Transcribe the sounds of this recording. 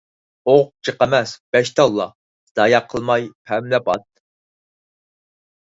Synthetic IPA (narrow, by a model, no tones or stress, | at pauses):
oq̚t͡ʃʰəqɑmɛsb̥ɛʃt̪ʰɑlˠːɑ̰ | d̪̥ɑːjɑqʰəlˠmɑjpʰɛmlɛpɑt̪̚